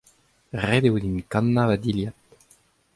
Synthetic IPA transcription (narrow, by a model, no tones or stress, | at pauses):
ʁed̪ewed̪inkɑ̃nːavad̪iljat̪